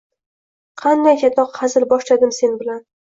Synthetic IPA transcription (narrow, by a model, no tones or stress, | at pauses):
qʰɑnd̪ajkʲʰat̪ʰɒqhɑzɪlbɒʃlad̪ɪmse̞nbɪlan